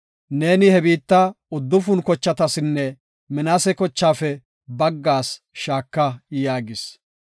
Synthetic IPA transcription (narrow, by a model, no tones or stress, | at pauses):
ne̞ːnɪhɛbiːt̪ːɐ | ʊd̪ːʊfʊnkɔt͡ʃːɐt̪ɐsɪnːɛ | mɪnaːsɛkɔt͡ʃːaːfɛ | bɐɡːaːs | ʃaːkːɐjaːɡɪs